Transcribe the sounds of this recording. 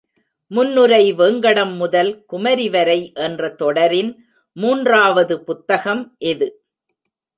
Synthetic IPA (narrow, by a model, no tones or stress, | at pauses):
mʊnːɯɾɐɪʋeːŋɡɐɽɐmːʊðɐlkʊmɐɾɪʋɐɾɐɪʔɛndrɐt̪ɔɽɐɾɪn | muːndraːʋɐðɯpʊt̪ːɐɣɐmʔɛðɯ